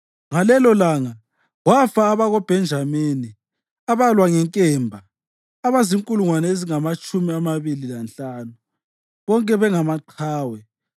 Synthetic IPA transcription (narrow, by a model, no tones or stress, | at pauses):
ŋalɛlɔlaŋa | ɣwafaːβaɣɔb̥ʱɛnd͡ʒʱameni | aβalwaŋɛŋkʼɛmbʱaː | βaziŋkʼuluŋwanɛeziŋamat͡ʃʼumiamaβililanɬanu | βɔŋkʼɛβɛŋamaǃʰaːwɛ